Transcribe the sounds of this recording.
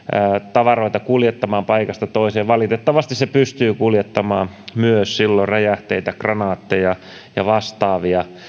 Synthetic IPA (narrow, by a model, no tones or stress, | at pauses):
ət̪ɑʋɑroit̪ɑkuljet̪ːɑmɑːmpɑikɑst̪ɑt̪oiseːʋʋɑlit̪et̪ːɑʋɑst̪issepyst̪yːkuljet̪ːɑmɑːmmyøssilːorejæht̪eit̪ækrɑnɑːt̪ːejɑ | jɑʋɑst̪ɑːʋiɑ